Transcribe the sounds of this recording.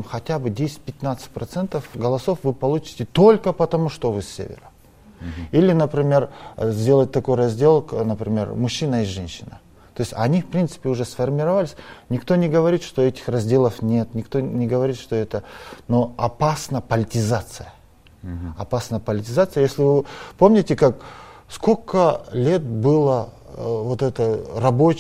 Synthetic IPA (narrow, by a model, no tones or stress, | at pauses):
mxɐt̪ʲabɨdʲesʲɪ̥t̪̚ʲpʲɪt̪ʲnat̪sɨ̥t̚ʲpɾɐt̪sɛnt̪əfɡɐlˠɐso̞fvɨpɐlˠut͡ɕɪ̥tʲɪt̪o̞lʲkəpɐt̪ɐmuʂt̪ovɨsʲːḛvʲɪ̰ɾə | ilʲɪnəpɾʲɪmʲe̞rzʲd̪ʲe̞lˠət̚ʲt̪ɐko̞jrɐzʲd̪ʲe̞lˠnəpɾʲɪmʲe̞̰rmʊɕːinəɪʐɛnʲɕːɪnə̰ | t̪o̞jɪsʲtʲɐnʲifpɾʲint̪sɨ̥pʲɪʊʐɛsfɐrmʲɪɾɐvalʲɪsʲnʲɪkt̪onʲɪɡəvɐɾʲit̪ʂt̪oɛtʲɪ̥xrɐzʲdʲe̞lˠəfnʲe̞t̪nʲɪkt̪onʲɪɡəvɐɾʲit̪ʂt̪o̞ɛt̪əno̞ɐpasnəpɐlʲɪtʲɪzat̪sɨjə | ɐpasnəjəpɐlʲɪtʲɪzat̪sɨjəjesʲlʲɪvɨpo̞mnʲɪtʲɪkakskokʰəlʲe̞t̪̚bɨlˠə | vot̪ɛt̪ərɐbot͡ɕ